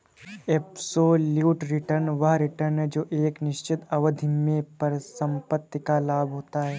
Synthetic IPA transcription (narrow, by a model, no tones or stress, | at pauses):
epsoːljuːʈɾɪʈəɾnʋəɦɾɪʈəɾnd͡ʒoːʔeːknɪʃt͡ʃɪt̪ɐʋəd̪ʱɪmːẽpɐɾsə̃mpət̪ːikalaːbʱɦoːt̪aɦɛː